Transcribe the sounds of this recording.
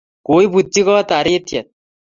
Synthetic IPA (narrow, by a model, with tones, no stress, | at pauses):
ko˨˦i˦bu˨tːi˦kɔ˦t̪a˨ɾi˦tja˨t̪̚